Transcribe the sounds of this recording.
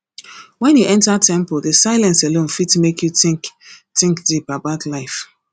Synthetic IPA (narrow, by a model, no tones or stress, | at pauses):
wɛ̃njuʔɛ̃ntətʰɛ̃mpɔlˠdesaɪlɛ̃nselõnfitmekʰjutɪ̃ktɪ̃ŋkdipabaʊtʰlaɪf